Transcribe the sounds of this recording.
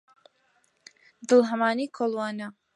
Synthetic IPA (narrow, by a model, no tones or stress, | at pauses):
d̪ɨlˠɦɐmaːniːkʰoːlˠwaːnɐ